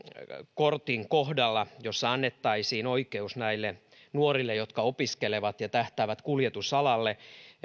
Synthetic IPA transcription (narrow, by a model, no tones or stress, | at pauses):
kort̪iŋkohdɑlːɑjosːɑɑnːet̪ːɑisiːnoikeusnæilːe | nuorilːejot̪kɑopiskeleʋɑt̪jɑt̪æht̪æːʋæt̪kuljet̪usɑlɑlːe